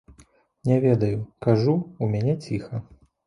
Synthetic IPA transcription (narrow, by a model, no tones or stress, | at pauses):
nʲɛvʲɛd̪ɐjukaʐuumʲanʲɛt͡sʲixɐ